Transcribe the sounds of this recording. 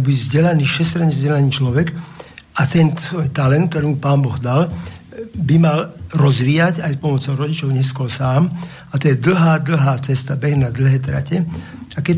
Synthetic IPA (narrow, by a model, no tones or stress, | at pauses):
bizɟɛlaniːʃɛst̪ɾaɲɛzɟɛlaniːt͡ʃlɔʋɛkat̪ɛnɔjt̪alɛntk̚t̪ɔɾiːmupaːnbɔɣd̪al | bimalɾɔzʋiːjacajspɔmɔt͡sɔʊɾɔɟit͡ʃɔʊɲɛskɔlsaːm | at̪ɔjɛd̪l̩ɦaːd̪l̩ɦaːt͡sɛst̪abɛɣnad̪l̩ɦɛːt̪ɾa̰cɛ | akɛ